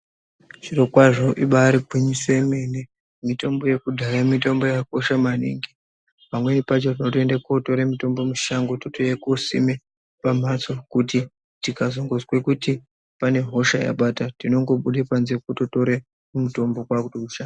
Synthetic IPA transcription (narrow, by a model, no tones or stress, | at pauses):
ʐ̥iro̞kwaʐo̞ʔiɓaɾibʱiɲiswemene | mito̞mbo̞je̞kudʱaɾamitombo̞jako̞ʃamanḭŋɡi | pamwe̞nipat͡ʃotinotie̞ndakoto̞ɾemito̞mbo̞muʃaŋɡototojekosḭme | pam̤at͡so̞kuti | tikazoŋɡozwe̞kuti | pane̞ɦo̞ʃaja̰ɓatatino̞ŋɡo̞ɓuɗepanzekototo̞ɾe | mumuto̞mbo̞kwakutouʃaa